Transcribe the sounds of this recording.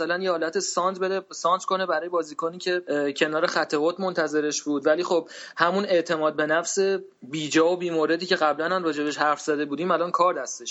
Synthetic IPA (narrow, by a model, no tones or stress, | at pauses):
sælænjehɒːlæt̪ʰesɒnt̪bed̪esɒːnt̪ko̞ne̞bæɾɒːje̞bɒːziːkʰoniːcʰe̞cʰe̞nɒːɾexæt̪ʰːeɣot̪mont̪ʰæze̞ɾe̞ʃbuːd̪væliːxob̥hæmune̞ʔt̪ʰe̞mɒːd̪̚be̞næfse̞ | biːd͡ʒɒːobiːmoɾe̞d̪iːcʰe̞ɣæblænæmrɒːd͡ʒebeʃhæɾfz̥æd̪e̞buːd̪iːmælɒnkʰɒːɾd̪æst̪eʃ